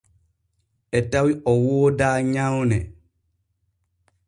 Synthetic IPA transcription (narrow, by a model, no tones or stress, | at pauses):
ʔɛtawiʔɔwoːdaːɲawnɛ̰